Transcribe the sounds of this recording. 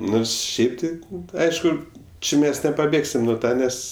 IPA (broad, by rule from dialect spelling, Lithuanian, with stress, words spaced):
ˈnoːrs ˈʃʲɛɪp tɐɪ ˈɐɪʃkʊ ˈt͡ʃʲɪ ˈmʲɛs nʲɛpɐˈbʲeːksʲɪm nʊ ˈtɑː ˈnʲɛs